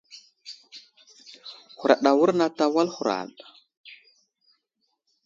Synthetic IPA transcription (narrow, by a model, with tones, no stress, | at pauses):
xu˨ɾa̰˨ɗa˨wu˦ɾna˦ta˨wa˦lhu˨ɾa̰˨ɗ